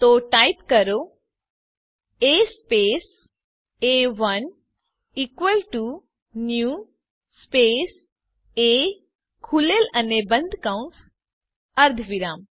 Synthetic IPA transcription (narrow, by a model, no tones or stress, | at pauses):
t̪oʈajpkəɾo | espes | eʋɐn | ikʋəlʈu | nju | spes | e | kʰulelɐnebə̃nd̪ʱkãũns | ɐɾd̪ʱʋiɾaːm